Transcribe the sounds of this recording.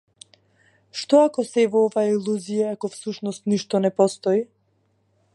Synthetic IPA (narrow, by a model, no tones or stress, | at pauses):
ʃt̪ɔakɔsɛvɔɔvailˠuzijaakɔfsuʃnɔst̪niʃt̪ɔnɛpɔst̪ɔi